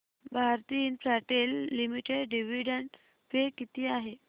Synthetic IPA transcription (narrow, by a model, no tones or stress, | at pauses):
bʱaɾt̪iːnpɾaʈelːimiʈeɽɖiʋiɽəɳɖ | pekit̪iːaɦe